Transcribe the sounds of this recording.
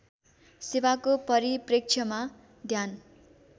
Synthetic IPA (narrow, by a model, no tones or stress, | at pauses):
sewakopʌɾiprek̚t͡sʰjʌma | d̪ʱjan